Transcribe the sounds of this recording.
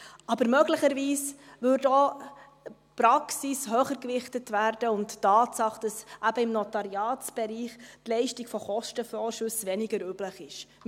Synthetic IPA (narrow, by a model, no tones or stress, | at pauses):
ɑbəɾmœɡləχəɾviːsʋʏɾdo | pɾɑksisɦœːχəɾkʋɪχtətʋæːɾd̥əʊntːɑːtsɑχd̥ɑsʔæbəɪmnɔtɑɾiɑːtt͡sb̥ɛɾiːχtlɛɪʃtɪɡ̥fɔχɔʃtəfɔːɾʃʉsʋɛnɪɡəɾybləχɪʃ